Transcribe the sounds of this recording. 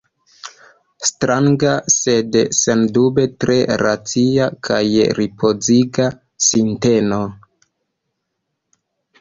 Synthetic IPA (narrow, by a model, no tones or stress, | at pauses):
stɾʔaŋɡase̞dsendube̞tɾe̞ɾat͡siakʰajɾipʰo̞ziɡa | sinte̞no